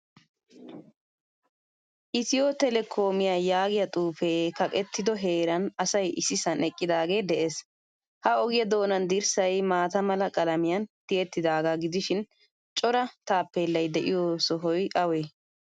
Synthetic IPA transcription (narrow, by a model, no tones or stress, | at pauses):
ʔɪt̪ɪjoːt̪ɛlɛkʰoːmɪjaːjaːɡɪjɐt̪ʼuːfeːkɐkʼɛt̪ːɪd̪ɔɦe̞ːɾɐnɐsɐjɪsɪsɐnɛkʼːɪd̪aːɡe̞ːd̪ɛʔeːs | hɐɔɡɪjɐd̪o̞ːnɐnd̪ɪɾsɐjmaːt̪ɐmɐlɐkʼɐlɐmɪjɐnt̪ɪɛt̪ːɪd̪aːɡaːɡɪd̪ɪʃɪn | t͡ʃʼɔɾɐt̪aːpːeːlːɐjd̪ɛʔɪjoːsɔɦɔjʔɐweː